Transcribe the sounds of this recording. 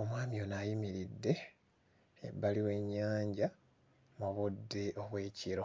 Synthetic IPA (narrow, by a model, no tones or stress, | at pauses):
o̞mwaːmio̞najimiɾidːe̞ | βaliwe̞ɲːaːɲɟa | moβodːe̞ʔo̞βwe̞ːciɾo̞